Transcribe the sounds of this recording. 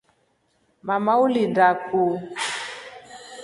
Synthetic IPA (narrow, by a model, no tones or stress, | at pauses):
mamaulidaku